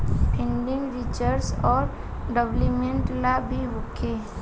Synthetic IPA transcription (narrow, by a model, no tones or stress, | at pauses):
pʰɪ̃nɖɪ̃ŋɡɾit͡ʃəɾsɔːɾ | ɖəblimẽɳʈlabʱiɦʊkʰːe